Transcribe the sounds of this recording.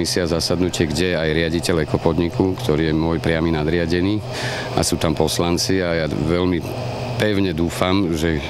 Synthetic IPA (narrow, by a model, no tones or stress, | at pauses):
isɪazasad̪nucɪɛɡɟɛajɾɪaɟicɛlɛkɔpɔd̪ɲikukt̪ɔɾiːjɛmʊɔjpɾɪaminad̪ɾɪaɟɛniː | a̰suːt̪ampɔslant͡siajaʋɛʎmi | pɛʊɲɛd̪uːfamʒɛ